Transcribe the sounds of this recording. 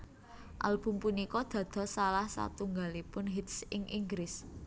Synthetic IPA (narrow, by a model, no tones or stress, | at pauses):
ʔa̰lb̥ṳmpunikɔd̪̥ä̤d̪̥ɔ̤salahsa̰t̪uŋɡalipʊnɦit̪sɪŋʔiŋɡɾɪs